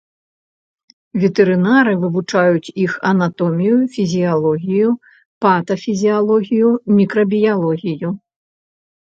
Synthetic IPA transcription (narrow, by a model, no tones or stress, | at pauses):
vʲɛt̪ɛɾɨnaɾɨvɨvut͡ʂajut͡sʲixɐnat̪ɔmʲijufʲizʲialˠɔɣʲiju | pat̪ɐfʲizʲialˠɔɣʲijumʲikɾɐbʲijalˠɔɣʲiju